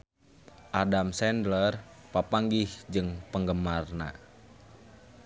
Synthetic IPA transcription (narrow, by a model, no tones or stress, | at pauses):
ʔadamsɛndlərpapaŋɡihd͡ʒɨŋpəŋɡəmarna̰